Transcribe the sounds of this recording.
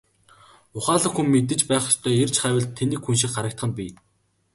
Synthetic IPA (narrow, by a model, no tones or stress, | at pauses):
ʊχaːɮə̆xumːet̪̬ɘ̆t͡ɕpæːχt͡ɕt̪ʰœːert͡ɕχæːwʲɪ̆ɮt̪ʰːeniːkxunʃ̬ikχaɾə̆k̚t̪χə̆npʲiː